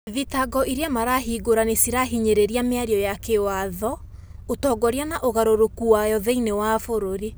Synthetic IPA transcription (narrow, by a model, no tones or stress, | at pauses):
ðitaɡɔʔiɾeamaɾaɦiːɡoɾanesiɾaɦiɲeɾeɾiameaɾiɔjakewaðɔotɔːɡɔɾeanaʔoɣaɾoɾokuwajɔðeinewafoɾoɾi